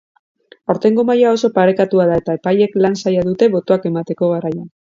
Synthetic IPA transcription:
awɾt̪e̞ŋɡo̞majao̞so̞paɾe̞kat̪uað̞ae̞t̪ae̞paje̞klansajað̞ut̪e̞βo̞t̪o̞ake̞mat̪e̞ko̞ɣaɾaja

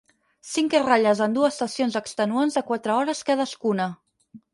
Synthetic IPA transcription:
siŋkeraʎəzənd̪uəst̪əsionzəkst̪ənuanzəkwat̪ɾəɔɾəskaðəskunə

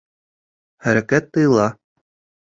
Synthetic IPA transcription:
χæɾækæt̪ːɤ̆jɤ̆lˠɑ

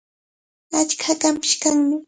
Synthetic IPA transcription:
at͡ʃkʰakampɪ̥ʃkaŋmɪ

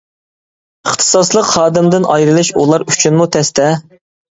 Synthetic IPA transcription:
əχt̪ʰɨ̥sɑslˠəqhɑːd̪ɪmd̪ɪnʔɑjɾɨlˠɨʃṵlˠɑɾyt͡ʃʰynmut̪ʰɛst̪ʰɛ

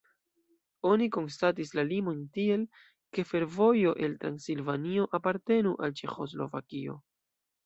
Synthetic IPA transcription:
o̞niko̞nstat̬islalimo̞ntie̞l | ke̞fe̞ɾvo̞jo̞ʔe̞ltɾansilvanio̞ʔapaɾte̞nuʔalt͡ʃe̞xo̞zlo̞̰vakio̞̰

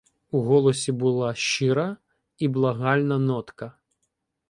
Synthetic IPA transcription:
uɦɔlˠɔsʲibʊlˠɑʃt͡ʃɪɾɐ | iblˠɐɦɑlʲnɐnɔt̪kɐ

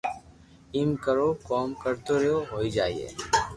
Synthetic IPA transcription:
ɪmkəɾoːkɔːmkəɾt̪oːɾeoːɦoːiːd͡ʒaːiḛː

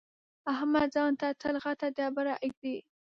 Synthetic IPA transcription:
ahmad̪zɑnt̪at̪ʰəlɣat̪ad̪jɑbaɾaʔəɡ̚d̪i

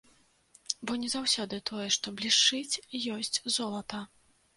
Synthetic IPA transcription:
bɔnʲɛzawsʲɔd̪ɨt̪ʰɔjɛʂt̪ɔblʲiʂt͡ʂɨt͡sʲjɔsʲt͡sʲzɔlˠɐt̪ɐ

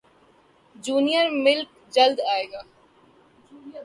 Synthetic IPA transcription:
d͡ʒuːnijəɾmɪlk | d͡ʒɐld̪aːeːɡaː

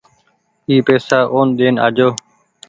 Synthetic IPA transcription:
iːpeːsaːʔoːnɗ̪eːna̰ːd͡ʒoː

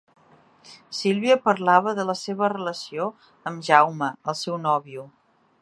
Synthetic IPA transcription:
silˠβiəpəɾlaβəðələseβ̞ərələsio | əmʒawməəlˠsɛwnɔβiu

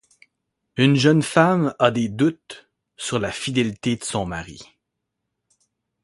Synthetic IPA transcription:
ynʒœnfamad̪ed̪ut̪ | syʁlafid̪elit̪ed̪əsɔ̃maʁḭ

